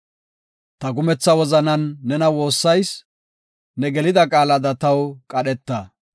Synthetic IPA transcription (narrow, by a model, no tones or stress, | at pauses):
t̪ɐɡʊmɛt͡sːɐwɔzɐnɐnːɛnɐwo̞ːsːɐjs | nɛɡɛlɪd̪ɐkʼaːlɐd̪ɐt̪ɐwkʼɐɗɛt̪ːɐ